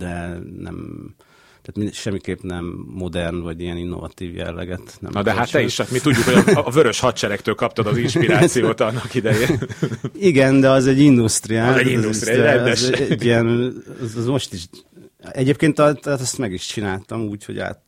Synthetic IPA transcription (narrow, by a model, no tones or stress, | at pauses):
d̪̥ɛnɛ̰m | t̪aːt̪miʃɛmːikeːpnɛmːo̞d̪ɛrnvɒɟijɛninːovɒ̰t̪iːvjɛ̰lːɛ̰ɡɛt̪nɛ̰mnd̪ɛɦat̪ːɛiʃɛt̪mit̪uɟːukhovøɾøʃhɒt̪t͡ʃɛɾɛkt̪øːlkɒp̚t̪ɒd̪ɒziʃpiaːsijoːt̪ɒnːɒkid̪ɛjeː | iɡɛnd̪ɛɒzɛɟːind̪ust̪riaːzɛizɛsɛɛzɛɛɟːijɛnzzmo̞ʃt̪iʃ | ɛɟeːp̚keːnt̪ɛt̪at̪ɛst̪mɛɡiʃt͡ʃinaːlt̪ɒmuːcho̞̰ɟa̰ːt̪